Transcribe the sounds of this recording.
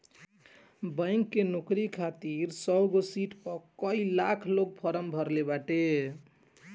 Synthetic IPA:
bə̃ɪŋkːenokɾikʰat̪iɾsəɡosiʈpəkəilakʰlok̚pʰəɾəmbʱəɾlebaʈe

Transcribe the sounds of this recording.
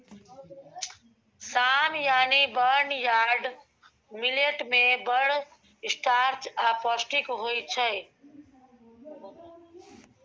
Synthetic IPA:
samjanibəɾnjaɾɖ | mileʈmebəɽ | isʈʰaɾt͡ʃapɔsʈikɦojt͡ʃʰəj

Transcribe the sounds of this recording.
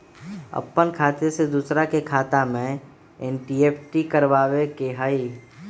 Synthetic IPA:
ə̰pːənkʰaːt̪esed̪uːsɾakekʰaːt̪amẽ | eːnʈieːpʰʈikəɾʋaːʋekeɦaːiː

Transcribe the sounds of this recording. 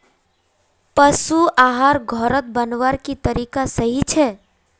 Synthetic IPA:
pəsuaːɦaːɾɡʱɔɾət̪̚bənʋəɾkit̪əɾiːkasəɦit͡ʃʰɛː

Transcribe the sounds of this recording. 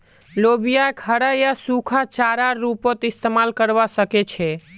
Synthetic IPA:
lobijakʰəɽajasukʰat͡ʃaɾaɾupot̪ist̪emalkəɾʋasəkɛt͡ʃʰɛ

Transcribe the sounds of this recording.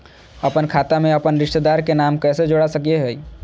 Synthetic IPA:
ɐpənkʰaːt̪amẽɐpənɾɪʃʈt̪ed̪aːɾkenaːmkɛːsed͡ʒoɽasəkieɦɛ

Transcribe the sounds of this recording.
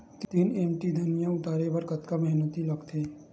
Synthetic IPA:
t̪t̪iːneːmʈid̪ʱɐnijãʊt̪aːɾepɐɾkɐt̪kamɛɦnət̪ilɐɡt̪ʰeː

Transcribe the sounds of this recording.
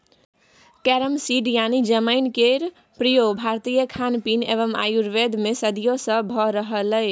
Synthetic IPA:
kɛɾəmsiɖjanid͡ʒəməɪnkeɾ | pɾijobʱaɾt̪ijəkʰanpinḛβəma̰juɾʋed̪mesəd̪ijosə̃bʱɔɾəɦələɪ

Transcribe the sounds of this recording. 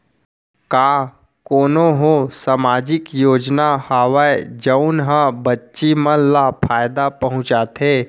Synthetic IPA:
kaː | koːnoɦosaːmaːd͡ʒɪkjoːd͡ʒnahaːʋaed͡ʒəʊnɦãbətːʃimənlapʰaːjd̪apɐɦʊ̃t͡ʃaːt̪ʰɦeː

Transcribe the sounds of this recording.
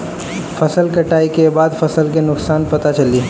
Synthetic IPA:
fʰɐsəlkɐʈaːikebaːd̪fʰɐsəlkenʊksaːnpɐt̪at͡ʃɐliː

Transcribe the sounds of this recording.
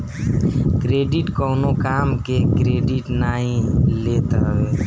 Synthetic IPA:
kɾeɖiʈkɔnokamkekɾeɖiʈnaĩlet̪əɦʋe

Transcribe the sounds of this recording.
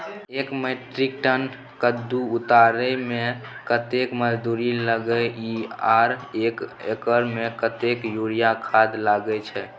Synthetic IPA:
ekmeʈɾik̚ʈən | kəd̪ːuut̪aɾəmẽkət̪ekməd͡ʒd̪uɾiləɡəiaɾekekəɾmekət̪ekjuɾijakʰad̪laɡɛt͡ʃʰɛ

